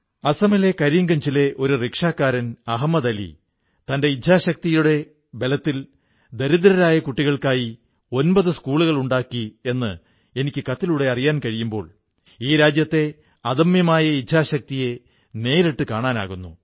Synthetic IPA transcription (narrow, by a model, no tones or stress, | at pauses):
ɐsɐmelekɐɾjiŋɡɐɲd͡ʑile̞ʔo̞ɾurekʂaːkːaːɾɐnɐɦɐmːɐðɐlḭ | t̪ɐnde̞idʱaːɕɐk̚t̪ijuɽe̞ | be̞lɐt̪ːil | d̪ɐɾud̪ɐɾɐɾaːjɐkuʈːiɣɐɭkaːji | o̞nbɐðɨskuːɭuɣɐɭuɳɖaːkːie̞nːɨ | e̞nikʲːɨkɐt̪ːiluɽe̞ɐrijaːnkɐɻijumbo̞ːɭ | iːɾaːd͡ʑjɐt̪ːe̞ | ɐðɐmjɐmaːjɐidʱaːɕɐk̚t̪ije̞ | ne̞ːɾiʈːɨkaːɳaːna̰ːɣunːu